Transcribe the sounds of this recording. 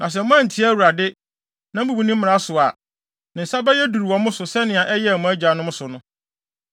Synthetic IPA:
nʔã˨s̬ɛ˨mʊ̃˦ã˦n̩˨tʰi˦æ˦wu˨ɾa˨dɪ˦ | nã˨m̩˦bu˦bi˦nĩ˦m̩˦mɪ̃˨a˦sʊ˨a˨ | nɪ̃˨n̩˨sa˦bɛ˦jɛ˦du˨ɾi˨wɔ̃˨mʊ̃˦sʊ˨sɛ˦nɪ̃˨a˨ʔɛ˦jɛ˦˨mʊ̃˦æ˦d͡ʑᶣa˨nʊ̃˦m̩ʊ̃˦sʊ˨nʊ̃˦

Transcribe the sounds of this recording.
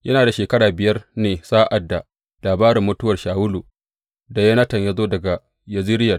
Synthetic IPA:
jʔɐ˦naː˨da˨ʃeː˨kɐ˦ɽaː˨bɪ˨jɐ˦rneː˨saː˦ʔa˨dːa˨ | laː˨baː˦ɾɪ˨mːʊ˦tʊ˦wɐ˨rʃaː˨wʊ˦lu˨ | da˨jɐ˦nɐ˦tɐ˨ɲjaː˦zoː˦dɐ˨ɡa˨ | jɐ˨zi˦ɾɪ˦jɐ˨

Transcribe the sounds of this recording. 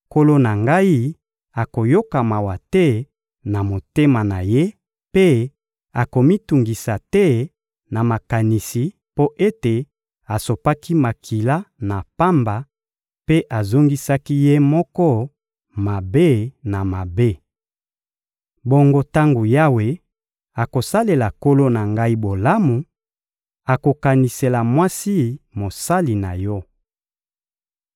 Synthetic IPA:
ko˦lo˦na˨ŋɡa˦i˦ | a˨ko˨jo˦ka˨ma˨wa˨tɛ˦ | na˨mo˨te˦ma˨na˨je˦ | pe˦ | a˨ko˨mi˦tu˨ŋɡi˨sa˨tɛ˦ | na˨ma˨ka˨ni˨si˨ | po˦ʔe˦te˨ | a˨so˨pa˦ki˦ma˨kʰi˨la˦na˨pa˦mba˨ | pe˦ʔa˨zo˦ŋɡi˦sa˦ki˦je˦mɔ˦kɔ˦ | ma˨be˦˨na˨ma˨be˦ | bo˦ŋɡo˦ta˦ŋɡo˨ja˦we˨ | a˨ko˨sa˦le˨la˨ko˦lo˦na˨ŋɡa˦i˦bo˨la˦mu˨ | a˨ko˨ka˨ni˨se˨la˨mwa˦si˦mo˨sa˦li˨na˨jɔ˦

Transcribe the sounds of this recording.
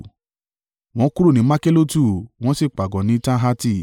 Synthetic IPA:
w̃ɔ̃˨˦ku˦ɾu˦˨nĩ˨˦ma˦ke˦lo˦tu˦˨w̃ɔ̃˦si˦˨k͡pa˨ɡɔ̃˨nĩ˨˦tã˦ɦa˦ti˦

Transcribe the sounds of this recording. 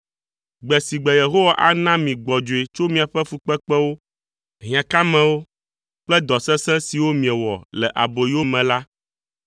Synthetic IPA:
ɡ͡bɛ˨si˨ɡ͡bɛ˨je˨ɦo˦wa˨ʔa˦nã˦mĩ˨ɡ͡bɔ˨d͡ʒo˨e˨t͡ʃo˦mĩ˨a˨ɸɛ˦fu˦k͡pɛ˦k͡pɛ˦wo˦ | ɦĩ˨ã˨ka˦mɛ̃˦wo˦ | k͡plɛ˦d̪ɔ˨sɛ̃˦sɛ̃˦si˨wo˦mĩ˨ɛ˨wɔ̰˨lɛ˨ʔa˨bo˨ji˦wo˦mɛ̃˨la˦

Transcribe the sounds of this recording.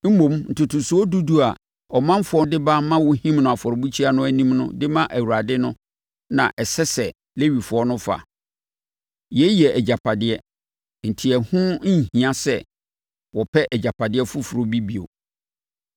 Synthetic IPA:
m̩˦mõ˨mn̩˨tʰʊ˨tʰʊ˨su˦ɔ˦du˦du˦a˨ | ɔ˨mã˦m˦fʊ˨ɔ˦dɪ˦ba˦mã˦wɔ˦hĩ˦mnʊ̃˨a˨fɔ˨ɾbu˦t͡ɕʰi˦a˦nʊ̃˦æ˦nĩ˦mnʊ̰̃˦dɪ˦mã˦ʔæ˨wu˨ɾa˨dɪ˦nʊ̃˦ | nã̰˨ʔɛ˨sɛ˦sɛ˨ | le˦ɥi˨fʊ˨ɔ˦nʊ̃˦fa̰˨ | jɛ˦jɛ˨ʔɛ˨d͡ʑa˨pʰa˨dɪ˦ɛ˦ | n̩˨tʰi˨ɛ˨hʊ̃˦˨hĩ˨ã˦sɛ̰˨ | wɔ˨pʰɛ˦ʔɛ˨d͡ʑa˨pʰa˨dɪ˦ɛ˦fʊ˦fʊ˨ɾo˦bi˦bi˨o̰˨

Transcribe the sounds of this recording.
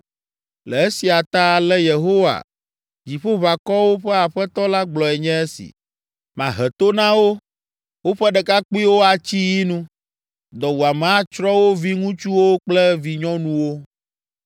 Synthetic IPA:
lɛ˨e˦si˨a˨t̪a˦˨lɛ˦je˨ɦo˦wa̰˨ | d͡ʑi˨ɸo˦βa˨kɔ˦wo˦ɸɛ˦a˨ɸɛ˦t̪ɔ˦la˦ɡ͡blɔ˨ɛ˨ɲɛ̃˦e˦sḭ˨ | mã˨ɦɛ˨t̪o˦nã˦wo˦ | wo˦ɸɛ˦ɖɛ˨ka˦k͡pi˦wo˦a˨t͡ɕi˦ji˦nũ˦ | d̪ɔ˨wu˨a˨mɛ̃˨a˦t͡ʃɾɔ˦wo˦vi˦ŋũ˦t͡ʃu˦wo˦k͡plɛ˦vi˨ɲɔ̃˦nũ˦wo˦

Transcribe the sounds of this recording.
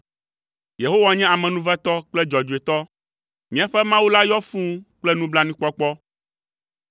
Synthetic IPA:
je˨ɦo˦wa˨ɲɛ̃˦a˨mɛ̃˨nũ˦vɛ˦t̪ɔ˦k͡plɛ˦d͡ʒɔ˨d͡ʒu˨e˨t̪ɔ˦ | mĩ˨˦a˨ɸɛ˦mã˦wu˦la˦jɔ˦fũ˦k͡plɛ˦nũ˦bla˦nĩ˦k͡pɔ˦k͡pɔ˦

